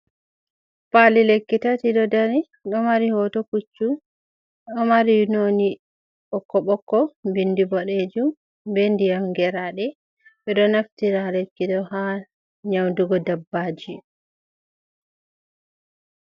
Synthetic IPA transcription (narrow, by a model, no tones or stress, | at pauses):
palilekːitatiɗɔdaɾi | ɗɔmaɾihɔtɔkut͡ʃːu | ɗɔmaɾinoni | ɓɔkːɔɓɔkːɔbindibɔɗed͡ʒum | bendijamɡɛɾaɗɛ | ɓɛɗɔnaftiɾalekːidɔha | ɲawnduɡɔdabːad͡ʒi